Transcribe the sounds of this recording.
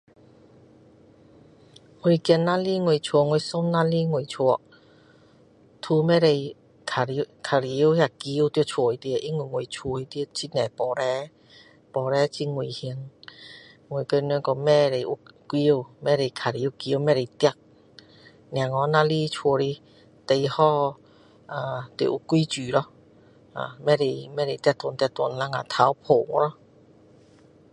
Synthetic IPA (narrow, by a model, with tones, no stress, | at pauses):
ŋu˨˧˩jki˧na˧˥li˦˥ŋwu˧˨˩jt͡ʃʰu˧˨ŋwjsɔ˥mna˦˥li˦˥ŋwu˨˩˨jt͡ʃʰu˧˩ə˨ | t̪ʰu˧mɛ˦˥ɾe˧j | kʰa˨˧kʰa˨˩ɾi˨˦whja˧˩ki˧˦˧wt̪i˧t͡ʃʰu˨˧˩i˧t̪i˧ə˧˨ʔi˦ŋu˧˨ŋwu˨˩jt͡ʃʰu˧˩˨i˧t̪i˧t͡ɕi˧tnɛ˨˩pɔ˨˦ɾɛ˧˦ | pɔ˨˩ɾɛ˧˦t͡ɕi˧ŋu˨˩jhi˧əŋ | ŋwo˨˩˨kə˧nɛ˧˦ŋkɔ˧mɛ˧ɾe˨˩jʔu˧ki˧wmɛ˧ɾe˨kʰa˨˩ɾe˨u˧ki˧˦ə˧mɛ˧ɾe˨t̪jk̚ | nj̃ã˨ŋɔ˧˦nã˧li˧t͡ɕʰu˧ɾi˧ | t̪e˧jhɔ˧ | a˨t̪i˧˨ʔu˧˩kʷːi˦t͡ɕyː˨˩lɔ˧ | a̰˨˩mɛ˧ɾe˧˩jmɛ˧˥ɾe˨t̪k̚t̪ɔ˧˨nt̪̚t̪wɔ˧˨nla˧˥ŋa̰˨t̪ʰa˨˦wpʰo˨˩ŋɔ˧˦lɔ˧